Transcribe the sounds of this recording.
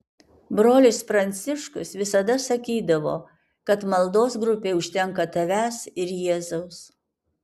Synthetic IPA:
bɾoːlʲɪspɾɐnʲt̪sʲɪʃkʊsʋʲɪsɐd̪ɐsɐkʲiːd̪ɐʋo̰ː | kɐt̪mɐlˠd̪oːs̬ɡɾʊpʲeːʊʃʲt̪ʲɛŋkɐt̪ɐʋʲæːsɪɾjeːzɐʊs

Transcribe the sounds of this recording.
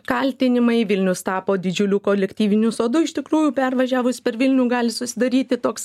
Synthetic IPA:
kɐlʲt̪ʲɪnʲɪmɐɪʋʲɪlʲnʲʊst̪ɑːpoːd̪ʲɪd͡ʒʲʊlʲukoːlʲɛkt̪ʲiːʋʲɪnʲʊsoːd̪ʊɪʃt̪ʲɪkɾuːjʊpʲɛrʋɐʒʲæːʋʊsʲpʲɛɾʋʲɪlʲnʲuːɡɑːlʲɪsʊsʲɪd̪ɐɾʲiːt̪ʲɪt̪oːks

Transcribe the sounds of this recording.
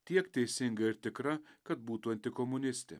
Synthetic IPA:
t̪ʲiɛkt̪ʲejsɪŋɡɐɪɾt̪ʲɪkɾɐkɐt̪̚buːt̪uɐnʲt̪ɪkɔmunʲɪst̪ɪ̰

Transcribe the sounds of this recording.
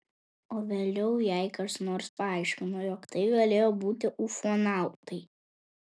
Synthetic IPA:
oːʋʲeːlʲɛʊjɛɪkɐʃnoːɾspɐɑˑɪʃʲkʲɪnojɔkt̪ɐɪɡɐlʲeːjoːbuːt̪ʲɪʔufuɔnɑˑʊt̪ɐɪ

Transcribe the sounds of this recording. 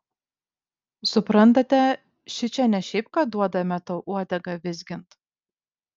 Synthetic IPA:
sʊpɾɐnt̪ɐt̪ʲɛ | ʃʲɪt͡ʃʲɛnʲɛʃʲɛɪp̚kɐd̪uɔd̪ɐmʲɛt̪oʔuɔd̪ʲɛɡɐʋʲɪzʲɡʲɪnt̪

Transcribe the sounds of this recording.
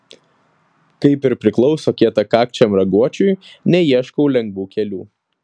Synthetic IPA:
kɐɪpɪɾpʲɾʲɪklˠɔʊsoːkʲiɛt̪ɐkɑːk̚t͡ʃʲɛmɾɐɡuɔt͡ʃʲʊjnʲɛiɛʃkɔʊlʲɛŋɡʋuːkʲɛlʲṵː

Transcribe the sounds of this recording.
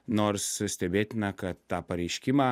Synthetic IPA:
noːɾssʲt̪ʲɛbʲeːt̪ʲɪnɐkɐt̪̚ːɑːpɐɾʲɛɪʃʲkʲɪmɑː

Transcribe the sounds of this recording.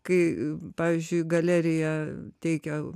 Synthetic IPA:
kɐɪpɑːʋʲizʲd͡ʒʲʊɪɡɐlʲæːɾʲɪjɛt̪ʲɛɪkʲo

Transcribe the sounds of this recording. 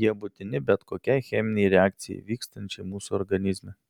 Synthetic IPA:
iɐbʊt̪inibʲɛt̪kokʲɛjxɛmniːɾɛak̚t̪sḭːvikst̪ənt͡ʃɛmuso̰ɾɡɐnizmɛ

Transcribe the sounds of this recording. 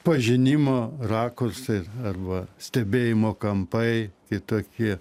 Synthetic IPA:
pɐʒʲɪnʲimoːrɑːkorsɐɪɐrbɐsʲt̪ʲɛbʲeːjɪmoːkɐmpɐɪkʲɪt̪oːkʲiɛ

